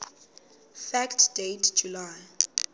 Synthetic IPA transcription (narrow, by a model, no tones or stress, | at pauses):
fɛktʰdetʰd͡ʒulaj